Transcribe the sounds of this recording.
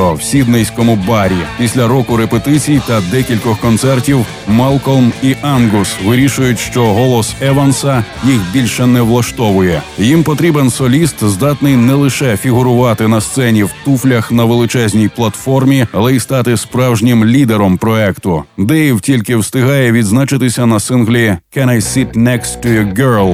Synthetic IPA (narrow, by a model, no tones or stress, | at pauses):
ɔwsʲid̪nɛjsʲkɔmʊbɑɾʲipʲisʲlʲɐɾɔkʊɾepet̪ɪt͡sʲijt̪ɐd̪ɛkʲilʲkɔxkɔnt̪sɛrtʲiw | mɑlˠkɔlˠmiʔanɡʊsʋɪɾʲiʃʊjʊtʲʃt͡ʃɔɦɔlˠɔsɛʋɐnsɐjixbʲilʲʃɛnɛʋlˠɐʃt̪ɔʋʊjɛjimpɔt̪ɾʲibensɔlʲist̪zd̪ɑt̪nɪjnɛlˠɪʃɛfʲiɦʊɾʊʋɑt̪ɪnɐst̪sɛnʲiwt̪uflʲɐxnɐʋelˠɪt͡ʃɛzʲnʲijplˠɐt̪fɔrmʲiɐlˠɛist̪ɑt̪ɪspɾɑwʒnʲɪmlʲid̪eɾɔmpɾɔɛkt̪ʊd̪ɛiwtʲilʲkɪwst̪ɪɦɑjɛʋʲid̪znat͡ʃɪt̪ɪsʲɐnɐsɪnɦlʲikɛnajsit̪ʲnɛkst̪ːʊjɔɡɛɹlˠ